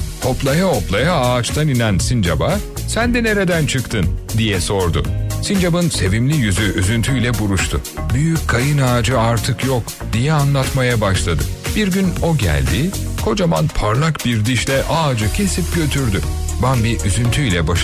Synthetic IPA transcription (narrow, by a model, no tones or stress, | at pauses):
t̪ʰo̞plˠajaoplˠajaaːt͡ʃt̪ʰaninænsind͡ʒa̰ba | sænd̪ɛne̞ɾe̞d̪ænt͡ʃʰɯkt̪ʰɯnd̪ijɛso̞ɾd̪ʊ̰sind͡ʒabɯnse̞vimlʲijyzyyzynt̪ʰyjlʲɛbuɾuʃt̪ʰʊ̰byjyc̚ʰːajɯnaːd͡ʒɯaɾt̪ʰɯkjok | d̪̥ijɛanlˠat̪majabaʃlˠad̪ɯb̥iɾɟyno̞ɟæ̰lʲd̪ɪkʰo̞d͡ʒamanpʰaɾlˠakbiɾd̪iʃlʲɛʔaːd͡ʒɯcʰe̞sip̚ɟø̞t̪ʰyɾd̪y | banbiɾyzynt̪ʰyjlʲɛbaʃ